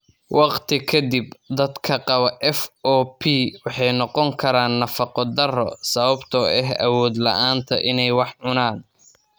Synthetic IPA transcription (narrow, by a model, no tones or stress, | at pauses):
wɑqt̪ʰɪkʰɐd̪ibd̪ɐd̪kʰɐqɑβɐʔɛfʔɔːpʰiwɑħɑjnɔqɔŋkʰɐɾaːnːɐfɑqɔd̪ɐrɔ̰sɐβɐbt̪ʰɔɛɦɐ̰wɔːd̪lɐ̰ʔaːnt̪ʰɐʔɪnɛjwɑħʕʊnaːn